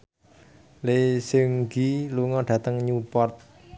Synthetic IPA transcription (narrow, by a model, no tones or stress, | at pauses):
lesɪŋɡiluŋɔɖ̥ä̤t̪əŋɲupɔrt̪̚